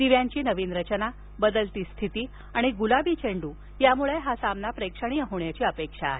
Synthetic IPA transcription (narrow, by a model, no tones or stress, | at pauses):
d̪iʋjaɲt͡ɕiːnəʋiːnɾət͡ɕəna | bəd̪əlt̪iːst̪ʰit̪iː | aɽ̃iɡulabiːt͡ɕeɳɖuː | jamuɭeɦasamnapɾekʂəɽ̃iːjəɦoɳjat͡ɕiːəpekʂaɦe